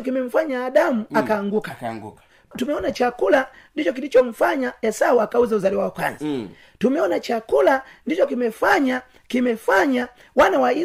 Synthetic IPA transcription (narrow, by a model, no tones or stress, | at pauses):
kimɛm̩faɲaːɗamuakaːŋɡuka | tumɛɔnat͡ʃakulandit͡ʃɔk̬ilit͡ʃɔm̩faɲajasawakauzauzaliwaakwa̰nzi | tumɛɔnat͡ʃakulandit͡ʃɔkimɛfaɲa | kimɛfaɲa | wanawai